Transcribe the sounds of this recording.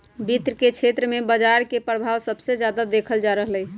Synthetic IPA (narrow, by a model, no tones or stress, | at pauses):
bit̪ɾəket͡ʃʰet̪ɾəmebəd͡ʒaɾkepɾəbʱawsəbsed͡ʒjad̪ad̪ekʰəld͡ʒaɾəɦlɛj